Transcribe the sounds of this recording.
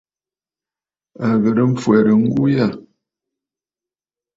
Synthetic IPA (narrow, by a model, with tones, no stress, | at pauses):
a˨ɣə˨ɾə˦m̩˦fwɛ˨ɾə˨ŋ̩˦ɡu˦jə˦˨